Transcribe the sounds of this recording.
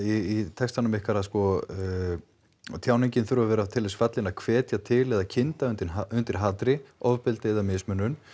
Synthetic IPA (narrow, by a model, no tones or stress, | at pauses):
iːt̪ʰɛkst̪anʏmɪhkaɾaðskɔ | t̪ʰjaːwniɲcɪnθʏɾvavɛːɾat̪ʰɪlːɪsfat̪lɪnaðkʰvɛːt̪jat̪ʰɪlɛðacʰɪnt̪aʏnt̪ɪaʏnt̪ɪɾ̥ɦaːt̪ɾɪɔvpɪlt̪eðamɪsmʏnːʏn